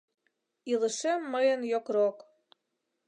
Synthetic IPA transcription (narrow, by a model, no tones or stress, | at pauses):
ilə̆ʃemːəjə̆njokɾok